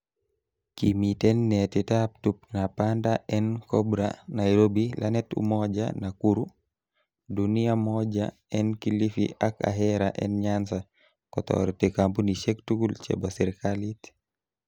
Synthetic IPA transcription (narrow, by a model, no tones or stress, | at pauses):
kimitɛnːɛtitap̚tup̚napandaɛnkɔbɾa̰najɾobilʔanɛtṵmɔd͡ʒa̰nakuɾu | dunijamɔd͡ʒa̰ | ɛnkilifḭʔaka̰ɦɛɾaʔɛnɲansa | kɔtɔ̰ɾtɛkambuniʃɛktuɡult͡ʃɛ̰basɛɾkalit